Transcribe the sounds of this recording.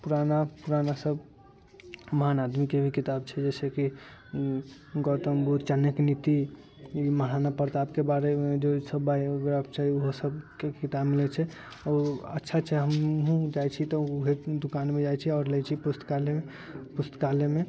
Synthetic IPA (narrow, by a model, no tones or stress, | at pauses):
puɾanapuɾanasəb | məɦanad̪mikebʱikit̪ab̚t͡ʃʰɛd͡ʒɛːseki | ɡɔt̪əmbut̪t͡ʃənjəknit̪i | iməɽ̤anapəɾt̪aːbkebaɾed͡ʒosəbːajɡɾapt͡ʃaɦioɦosəbekit̪abmilɛt͡ʃʰɛ | ɔətːʃʰat͡ʃʰɛɦəmɦũd͡ʒajt͡ʃʰit̪ɔuɦed̪ukanmẽd͡ʒajt͡ʃʰiɔɾlɛt͡ʃʰipust̪kalee | pust̪kaleme